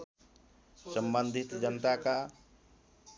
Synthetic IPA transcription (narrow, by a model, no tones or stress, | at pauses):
səmbənd̪ʱit̪d͡ʒənt̪aka